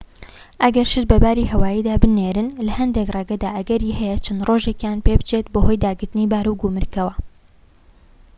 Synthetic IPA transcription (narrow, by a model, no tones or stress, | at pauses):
ʔɐɡɐɾʃɨt̪bɐbaːɾiːhɐwaːjiːd̪aːbɨneːɾɨnlɐhɐnd̪ekreɡɐd̪aːʔɐɡɐɾiːhɛjɛt͡ʃʰɐnd̪roʒekjaːnpeːbɨt͡ʃet̪̚boɦojd̪aːɡɨɾt̪ɨniːbaːɾuɡumɨɾkɐwɐ